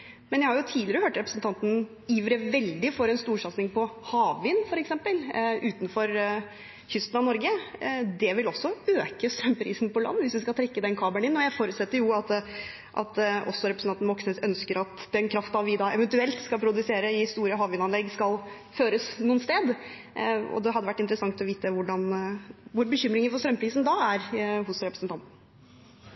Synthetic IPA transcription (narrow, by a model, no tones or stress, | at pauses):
mɛnjæɪhɑɾjʊt̪ʰiːdlɪɾəhøːʈɾɛpɾəsn̩t̪ʰɑnt̪n̩ | iːʋɾəʋɛld̪ɪfɔɾɛnst̪uːʂɑt̪snɪŋpʰɔhɑːʋʋɪnfɔɾɛksɛmpəlʔʉːt̪nfɔɾ | çʏst̪n̩ɑʋnɔɾɡəd̪ɛʋɪlɔsːɔøːkəsœmpʰɾiːsn̩pɔlɑ̰nːʋɪsʋɪskɑlt̪ʰɾɛkːəd̪ɛnkʰɑːbəɳɪnːɔjæɪfoːɾʉt̪sɛt̪ːəɾjʊɑt̪ | ʔɑ̰t̪ʔɔ̰sːɔɾɛpɾəsn̩ɑnnmɔksnɛsœnskəɾɑt̪d̪ɛnkʰɾɑft̪ɑʋʋɪd̪ɑːɛʋɛnt̪ʉɛlt̪skɑlpʰɾʊd̪ʉseːɾəɪhɪst̪uːɾəɦɑːʋʏnɑnlɛɡskɑl | føːɾəsnuːnst̪eːd̪ | ɔ̰d̪ɛɦɑd̪ːəʋæʈːɪnt̪əɾəsɑŋt̪ɔʋiːt̪əʋʊɖɑnʋʊɾbəçʏmːɾɪŋəfɔst̪ɾœmpʰɾiːsnd̪ɑæɾɦʊsɾɛpɾəsnt̪ʰɑnt̪n̩